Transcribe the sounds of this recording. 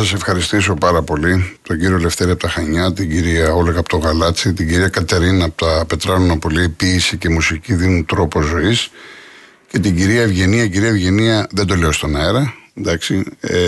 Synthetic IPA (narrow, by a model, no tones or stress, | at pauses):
sɐse̞fxɐɾist̪iso̞pɐɾɐpo̞lit̪o̞ɟiɾiole̞fθe̞ɾiɐpot̪ɐxɐɲɐt̪iɲɟiɾiɐo̞leɣɐpot̪o̞ɣɐlɐt͡sit̪iɟiɾiɐkɐt̪eɾinɐːpot̪ɐpe̞t̪ɾɐlunɐpoliipiːsice̞musiciðinunt̪ɾo̞po̞zo̞is | ce̞t̪iɟiɾiɐevʝe̞niɐiɟiɾiɐevʝe̞niɐðed̪o̞le̞ost̪o̞nɐeɾɐnd̪ɐksi